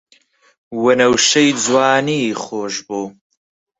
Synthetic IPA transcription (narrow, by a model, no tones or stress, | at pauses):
wɐnɐwʃɐjd͡zwaːniχoːʒboː